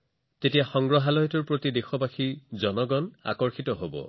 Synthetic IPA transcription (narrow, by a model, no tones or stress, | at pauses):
tetijaxɔŋɡɹɔɦalɔjɔtuɹpɹotidexɔbaxizɔnɔɡɔna̰kɔɹxitɔɦobɔ̰